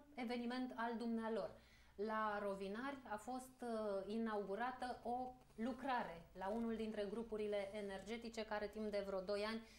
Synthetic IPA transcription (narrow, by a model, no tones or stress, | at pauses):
e̞ve̞nime̞nt̪ald̪umnealo̞r | laɾovinarʲafo̞st̪inauɡuɾat̪əʔo̞ | lukɾaɾe̞launuld̪int̪ɾe̞ɡɾupuɾile̞ʔːne̞rd͡ʒe̞t̪it͡ʃe̞kaɾe̞t̪impd̪e̞vɾod̪o̞janʲ